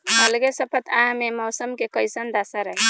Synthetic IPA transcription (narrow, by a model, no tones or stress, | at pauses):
məlɡesəpʰət̪ʰaɦmemɔsəmkekəjsənd̪asəɾəɦi